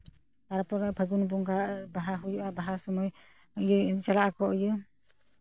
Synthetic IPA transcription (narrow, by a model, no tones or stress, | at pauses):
aɾapɔɾabʰʱaɡunbuŋkabaɦaɦujuʔabaɦasɔmɔj | jɯt͡ʃalaʔakʰɔʔɯjɯ